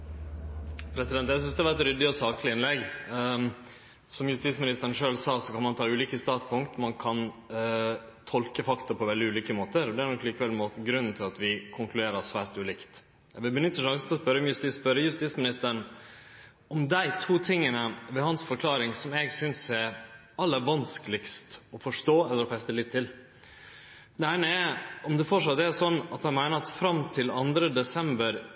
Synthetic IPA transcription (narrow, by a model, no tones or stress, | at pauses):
pʰɾɛsɪd̪ɛnt̪jæsʏnsd̪ɛhɑʋɑɾɛt̪ɾʏd̪ːɪɔsɑːklɪɪnlɛɡ | sɔmjʉst̪iːsmɪnɪst̪əɾənʂøːlsɑːsɔkʰɑnmɑnt̪ʰɑːʉːliːkəst̪ɑːt̪pʊŋkt̪mɑnkʰɑn | t̪ʰɔlkəfɑkt̪ɑpʰɔʋɛld̪ɪʉːliːkəmoːt̪əɾɔd̪ɛæɾnɔkliːkəʋɛlmoːt̪əɡɾʉnːn̩t̪ʰɪlɑt̪ʋɪkʰʊŋklʉd̪eːɾɑsʋæːɾt̪ʉːliːkt̪ | bɪbənʏt̪ːəʂɑŋsət̪ɔspœɾːəɔmjʉst̪ɪspœɾːəjʉst̪iːtsmɪnɪst̪əɾɳ | ɔmd̪æɪt̪ʰuːt̪ʰɪŋːənəʋɛɦɑnsfɔɾkʰlɑːɾɪŋsɔmɛɡsʏnsɛ | ɑlːəɾʋɑnskəlɪkst̪ɔfɔʂʈoːɛlːəɾɔfɛst̪əlɪt̪ʰːɪl | d̪ɛæɪnəɛɔmd̪ɛfɔʂɑt̪d̪ɛæʂɔnːɑt̪hɑnmæɪnəɾɑt̪fɾɑmt̪ʰɪlɑnd̪ɾəd̪ɛsɛmbəɾ